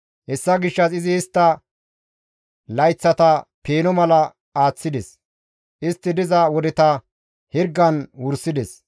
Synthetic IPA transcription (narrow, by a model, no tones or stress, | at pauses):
hɛsːɐɡɪʃːɐsɪzɪːst̪ːɐ | lɐjt͡sːɐt̪ɐpeːnɔmɐlɐ | aːt͡sːɪd̪ɛs | ʔɪst̪ːɪd̪ɪzɐwɔd̪ɛt̪ɐ | hɪɾɡːɐnwʊɾsːɪd̪ɛs